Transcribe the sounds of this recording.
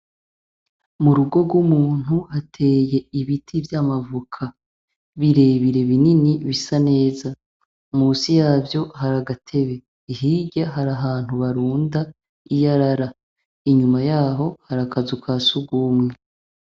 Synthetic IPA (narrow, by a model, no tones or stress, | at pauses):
muɾuɡo̞ɡwumuːn̥huhatʰe̞ːje̞iβitʰivjaːmavukʰa | βiɾe̞βiɾe̞βininiβisane̞ːza | muːsijaːvjo̞haɾaɡatʰe̞βe̞ | iɦiɟaɦaɾaɦaːn̥huβaɾuːnda | ijaɾaɾa | iɲumajaːɦo̞haɾakazukasuɡuːmŋe